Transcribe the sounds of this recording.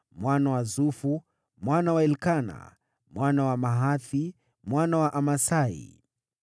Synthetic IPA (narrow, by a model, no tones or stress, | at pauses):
mwanawazufu | mwanawaɛlkana̰ | mwanawamaɦaθi | mwanawaʔamasaḭ